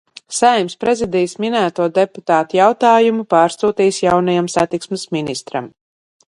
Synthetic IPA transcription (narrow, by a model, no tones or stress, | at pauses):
sajmspɾɛzid̪ijsminæːt̪uɔd̪eput̪aːt̪ujawt̪aːjumupaːɾsuːt̪iːsjawnajamsat̪iksmɨsminist̪ɾa̰m